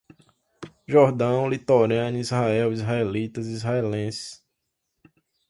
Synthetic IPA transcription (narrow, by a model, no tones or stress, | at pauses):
ʒɔɾd̪ɐ̃w̃lit̪oɾɐ̃nizhaɛwizɦaelit̪ɐzizɦaelẽs